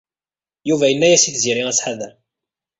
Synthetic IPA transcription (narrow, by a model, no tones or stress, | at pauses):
juvæjənːæjæsiθziɾiæt͡sːħaðæ